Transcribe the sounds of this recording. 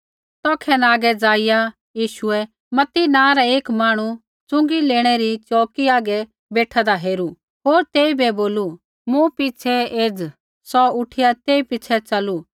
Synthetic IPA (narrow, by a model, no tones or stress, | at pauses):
t̪ɔːkʰɛnaːɡɛd͡zaːɪja | jiːʃʊɛ | mɐt̪inãːɾɛeːkmaːɽ̃u | t͡sʊ̃ŋɡileːɽ̃ɛɾit͡ʃɔːkiaːɡɛ | beːʈʰad̪aɦeːɾu | ɦoːɾt̪eːibɛboːlu | mũpɪt͡ʃʰɛeːd͡z | sɔʊʈʰɪjat̪eːipɪːt͡ʃʰɛt͡ʃɐlu